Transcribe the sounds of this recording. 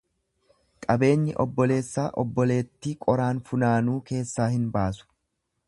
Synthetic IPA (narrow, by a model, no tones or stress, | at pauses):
kʼɐbe̞ːɲːɪʔɔbːɔle̞ːsːaːʔɔbːɔle̞ːt̪ːɪkʼɔɾaːnfʊnaːnuːke̞ːsːaːhɪnbaːsʊ̥